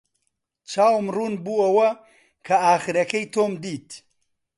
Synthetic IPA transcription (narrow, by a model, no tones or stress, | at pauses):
t͡ʃʰaːwmruːnbuːɐwɐ | kʰɐaːχɨɾɐkɐjt̪ʰoːmd̪iːt̪